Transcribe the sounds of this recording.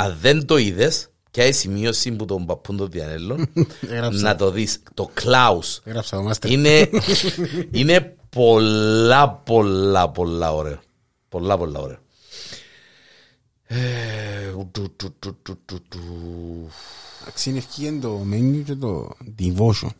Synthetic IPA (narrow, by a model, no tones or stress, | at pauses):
ɐðend̪o̞iðes | cɐjsimiosimbut̪ombɐpːund̪oðiɐ̰nelːonɣɾaːɐt̪o̞ðist̪oklɐusɣɾɐpsɐt̪omast̪ɾine | inepolːɐpolːɐpolːɐ̰oɾḛo | polːɐpolːɐ̰o̰ɾeo | e | ut̪ut̪ːut̪ːut̪ːut̪ːut̪ːu | ɐ̰ksinefcijend̪omeɲːucet̪o̰d̪ivoʃṵn